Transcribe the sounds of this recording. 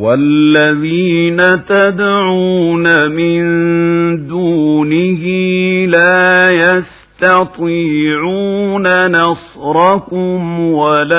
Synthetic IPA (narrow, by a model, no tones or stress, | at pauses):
walːaðiːnat̪ad̪ʕuːnamɪn | d̪uːnɪhɪlaːjas | t̪ɑt̪ˤiːʕuːnanɑsˤɾˤɑkʊmwala